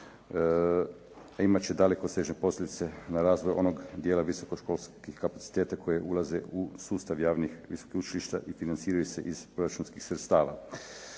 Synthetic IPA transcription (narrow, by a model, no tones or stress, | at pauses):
aimat͡ɕed̪ale̞kosɾeʒne̞po̞slʲed̪it̪e̞naɾaːzʋojʔo̞no̞ɡd̪jeːlaʋiso̞koʃko̞lskixkapat̪si̥t̪eːt̪akʰo̞jeʔulˠazeusuːst̪aʋjaːʋnixʋiso̥kixut͡ʃiliʃt̪a̰ʔifinant̪siːɾajuse̞ʔiz̥pɾo̞ɾat͡ʃunskixsɾet̪st̪aːʋa̰